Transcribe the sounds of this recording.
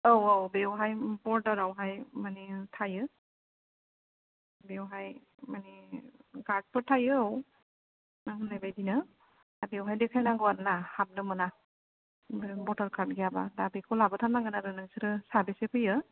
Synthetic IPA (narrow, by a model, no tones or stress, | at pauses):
awawbewɦajbɔɾdɔɾawɦajmanitʰajɯ | bewɦaj | maniɡaɾd̚pʰɯtʰajɯw | naŋɡɯnajbajdinɯ | bewɦajdekʰajnaŋɡɯwaɾnahab̚nɯmɯna | bbɔdaɾkʰaɾt̚ɡejabadabekʰolabɯtʰanaŋɡɯnaɾɯnɯŋsɯɾɯsabisepʰɯjɯ